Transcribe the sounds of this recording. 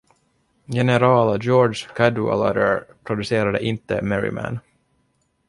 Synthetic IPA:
jɛnɛɾɑːlad͡ʒɔːɖʂkʰad̪ʉa̰la̰d̪əɾpʰɾʊd̪ɵseːɾad̪əʔɪnt̪ːəmɛɾɪ̰mæ̰n

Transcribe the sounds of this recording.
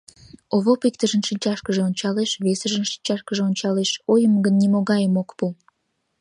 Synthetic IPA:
oβopik̚t̪əʒənʃinʲt͡ɕɑʃkəʒeonʲt͡ɕɑleʃβesəʒənʃi̥nʲt͡ɕɑʃkəʒeonʲt͡ɕɑleʃojəmɡənːimoɣɑjəmokpu

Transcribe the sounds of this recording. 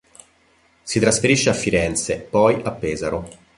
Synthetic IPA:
sit̪ɾasfeɾiʃːeafːiɾɛnt̪sepɔjʔapːɛːzaɾo

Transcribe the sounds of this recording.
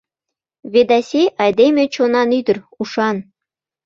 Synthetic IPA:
βed̪ɑsʲeʔɑjd̪emʲĕt͡ɕonɑnyd̪ə̆r | uʃɑn

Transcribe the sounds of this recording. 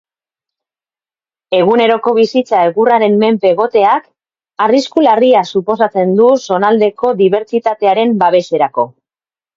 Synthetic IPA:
e̞ɣ̞une̞ɾo̞ko̞βisit͡saeɣuraɾe̞mːe̞mpe̞ɣo̞t̪e̞ak | ariskulariasupo̞sat͡se̞nd̪uso̞nald̪e̞ko̞ðiβ̞e̞ɾt͡ʃit̪at̪e̞aɾe̞mbaβ̞e̞se̞ɾako̞

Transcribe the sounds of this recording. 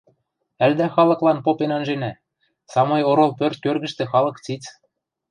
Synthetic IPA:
æld̪æxɑlɤ̆klˠɑnpopenɑnʒenæ | sɑmɤ̆joɾolˠpørt̪̚kørɣɘ̆ʃt̪ĕxɑlˠɤ̆kt͡sit͡s

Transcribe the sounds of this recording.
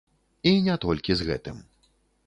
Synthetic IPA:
inʲat̪ɔlʲkʲizɣɛ̰t̪ɨm

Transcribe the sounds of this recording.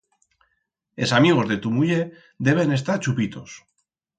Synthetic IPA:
e̞samiɣ̞o̞zðe̞t̪umuʎe̞ | ðe̞β̞e̞ne̞st̪aɾt͡ʃupit̪o̞s

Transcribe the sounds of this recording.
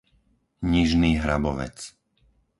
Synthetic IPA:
ɲiʒniːɦɾabɔʋɛ̰t͡s

